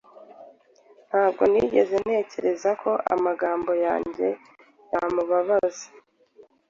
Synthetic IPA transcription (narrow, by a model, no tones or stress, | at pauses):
n̥haːbɡo̞̰niɟe̞ze̞n̥e̞ːce̞ɾe̞zakʰo̞ʔa̰maɡaːmbo̞ja̰ːɲɟe̞ | jamuβaβazḁ